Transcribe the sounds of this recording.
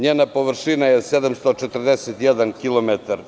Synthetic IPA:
ɲeːnapo̞ʋrʃinajesed̪amst̪ot͡ʃet̪rd̪eset̪jed̪ankilomet̪aɾ

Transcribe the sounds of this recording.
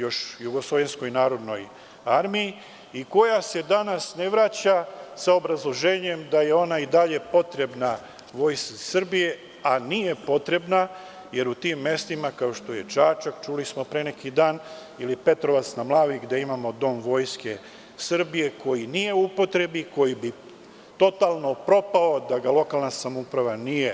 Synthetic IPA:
jo̞ʃjuɡo̞slˠo̞ʋensko̞jinaːɾo̞d̪no̞j | aɾmiji | iko̞jase̞d̪anasne̞ʋɾat͡ɕasao̞bɾazlˠo̞ʒe̞ːɲe̞md̪aje̞o̞naid̪aʎe̞po̞t̪ɾe̞bna | ʋo̞ːjskasr̩bije̞ | anije̞po̞t̪ɾe̞bna | je̞ɾut̪imːe̞st̪imakao̞ʃt̪o̞je̞d͡ʒaːt͡ʃakt͡ʃulismo̞pɾene̞kid̪aːn | ilipe̞t̪ɾo̞ʋat̪snamlˠaːʋiɡd̪e̞imamo̞d̪o̞ːmʋo̞jske̞ | srbije̞ko̞jinije̞upo̞t̪ɾe̞biko̞jibi | t̪o̞t̪aːlˠno̞pɾo̞pao̞d̪aɡalˠo̞kalˠnasamoupɾaʋanije̞

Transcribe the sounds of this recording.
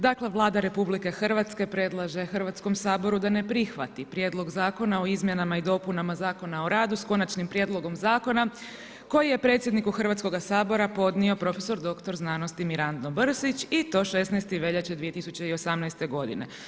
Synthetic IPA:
d̪akle̞ʋlˠaːd̪aɾe̞publike̞xrʋat̪ske̞pɾe̞d̪lˠaʒe̞xrʋat̪sko̞msaːbo̞ɾud̪ane̞pɾixʋat̪ipɾjed̪lˠo̞ɡzaːko̞naoizmjenamaid̪o̞punamazaːko̞nao̞ɾaːd̪usko̞nat͡ʃnimpɾje̞ːd̪lˠo̞ɡo̞mzaːko̞na | ko̞jije̞pɾe̞ːt̪sʲjed̪nikuxr̩ʋat̪sko̞ɡasaːbo̞ɾapo̞d̪nio̞pɾo̞feso̞ɾd̪o̞kt̪o̞ɾznaːnost̪imiɾand̪nobr̩sit͡ɕit̪o̞ʃe̞snɛjst̪iʋe̞ʎat͡ɕed̪ʋije̞t̪isut͡ɕe̞io̞samnɛjst̪e̞ɡo̞d̪ḭne̞

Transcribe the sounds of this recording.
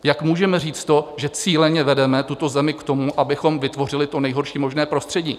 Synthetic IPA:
jakmuːʒɛmɛr̝iːt͡st̪t̪o̞ʒɛt͡siːlɛɲɛvɛdɛmɛt̪ut̪o̞zɛmɪkt̪o̞muʔabɪxo̞mvɪt̪vo̞r̝ɪlɪt̪onɛjɦo̞ɾʃiːmo̞ʒnɛːpɾo̞st̪r̝̥ɛɟḭː

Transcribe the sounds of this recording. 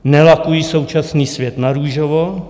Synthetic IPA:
nɛlakujiːsowt͡ʃasniːsvjɛt̪naɾuʒovo

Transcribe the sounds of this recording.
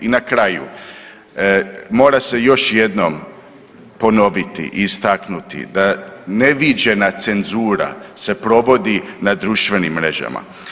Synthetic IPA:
inakɾajṵ | mo̞ːɾase̞jo̞ʃje̞d̪no̞m | po̞no̞ʋit̪ḭʔiːst̪aknut̪ḭd̪ane̞ʋid͡ʒe̞nat̪se̞nzuːɾa̰se̞pɾo̞ʋo̞d̪inad̪ɾuʃt̪ʋe̞nimːɾe̞ʒa̰ma̰

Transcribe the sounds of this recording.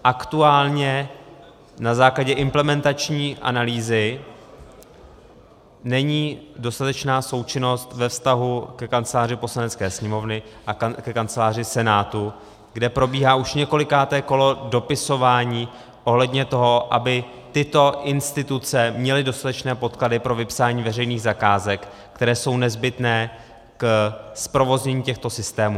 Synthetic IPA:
ʔakt̪uaːlɲɛ | nazaːklaɟɛʔɪmplɛmɛnt̪at͡ʃɲiːʔa̰naliːzɪ | nɛɲiːdo̞st̪at̪ɛt͡ʃnaːso̞wt͡ʃɪno̞st̪vɛfst̪aɦukɛkant͡sɛlaːr̝ɪpo̞slanɛt͡skɛːsɲɛmo̞vnɪʔakɛkant͡sɛlaːr̝ɪsɛnaːt̪u | ɡdɛpɾo̞biːɦaːʔuʃɲɛko̞lɪkaːt̪ɛːko̞lo̞do̞pɪso̞vaːɲiː | ʔo̞ɦlɛdɲɛt̪o̞ɦo̞ʔa̰bɪ | t̪ɪt̪o̞ʔɪnst̪ɪt̪ut͡sɛmɲɛlɪdo̞st̪at̪ɛt͡ʃnɛːpo̞t̪kladɪpɾo̞vɪpsaːɲiːvɛrɛjniːɣzakaːzɛk | kt̪ɛɾɛːso̞wnɛzbɪt̪nɛː | kspɾo̞vo̞zɲɛɲiːcɛxt̪o̞sɪst̪ɛːmuː

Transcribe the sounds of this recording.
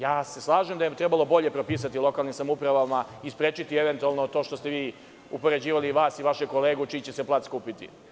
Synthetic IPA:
jaːse̞slˠaːʒemd̪ajemt̪ɾebalo̞bo̞ʎe̞pɾopiːs̬at̪ilˠo̞kalnimsamupɾaʋamaispɾeːt͡ʃit̪ieʋe̞nt̪ualˠnot̪o̞ːʃt̪o̞st̪e̞ʋiː | upo̞ɾe̞d͡ʑiːʋaliːʋaːsiʋaʃeko̞leːɡut͡ʃiːt͡ɕeseplˠat̪skuːpit̪ḭ

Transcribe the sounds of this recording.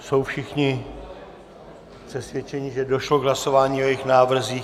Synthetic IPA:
so̞wfʃɪxɲɪ | pr̥ɛsvjɛt͡ʃɛɲɪʒɛdo̞ʃloɡɦlaso̞vaːɲiːojɛxnaːvr̩ziː

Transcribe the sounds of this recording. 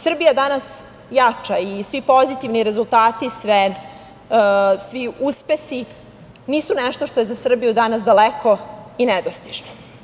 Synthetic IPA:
sr̩bijad̪anas | jat͡ʂaisʋipozit̪iʋniɾe̞zulˠt̪aːt̪isʋe | sʋiuspesi | niːsunɛʂt̪o̞ʃt̪o̞jezasr̩bijud̪anasd̪alekʰo̞inɛd̪ost̪iʒno

